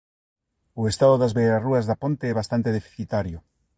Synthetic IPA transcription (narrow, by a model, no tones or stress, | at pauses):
ʊest̪aðʊðazβeɾaruazðapont̪eɛβ̞ast̪ant̪eðefi̥θit̪aɾjʊ